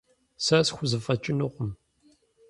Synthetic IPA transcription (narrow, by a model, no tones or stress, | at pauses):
sasxʷʊzəfɐt͡ʃʼːɪnuqʷʊm